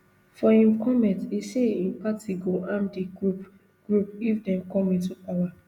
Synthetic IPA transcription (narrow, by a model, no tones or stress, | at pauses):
fɔĩmkʰɔmɛ̃ntiseĩnpatiɡoʔãmdiɡɹup | ɡ̥ɹup̚ifdɛ̃mkɔ̃mĩtupawa